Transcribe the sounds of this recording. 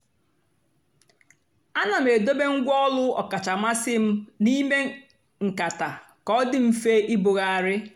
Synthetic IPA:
a˦na˨m̩˨e˨do˦be˦ŋ̩˦ɡʷɔ˦lʊ˦ɔ̰˨ka˨t͡ʃa˨ma˦sɪ˦m̩˦ni˦me˦ | ŋ̩˨ka˨ta˨ | kɔ˦dɪ˦m̩˦fe˦ʔɪ˦bʊ˨ɣa˨a˨ɾɪ˦

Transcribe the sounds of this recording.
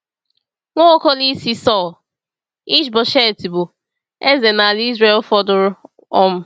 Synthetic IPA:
ŋʷo˦o˦ko˦li˦si˦sɔ˦˨l | i˦t͡ʃbɔ˨ʃe˦˨ti˨bʊ˨ | e˦ze˨na˨li˦zɾe˦lfɔ˦dʊ˦ɾ | ɔ˦m̩˦

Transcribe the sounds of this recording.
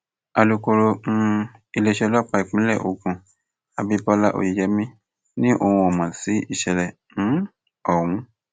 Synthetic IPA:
a˧lu˧ko˧ɾo˧m̩˦˧i˧le˧ʃɛ˧lɔ˦k͡pa˧i˨k͡pĩ˨˦lɛ˦˨ʔo˧˨kũ˧˨ | a˧bi˧bɔ˧˦la˦ʔo̰˨i˨d͡ʒɛ˨˦mĩ˦ | nĩ˦ʔo̰˧˨hũ˧ɔ˨mã˨si˨˦i˦˨ʃɛ˨lɛ˨ | nũ˨˦ | ɔ˦˨wũ˨˦

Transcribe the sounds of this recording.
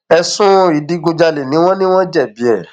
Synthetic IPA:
ɛ˧sũ˦i˨di˦ɡũ˧d͡ʒa˧le˨nĩ˨˦w̃ɔ̃˦nĩ˦w̃ɔ̃˦d͡ʒɛ˦˨bi˨˦ɛ˦˨

